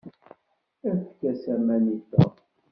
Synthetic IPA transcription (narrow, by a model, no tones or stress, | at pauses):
æθkːæsæmæniθæ̰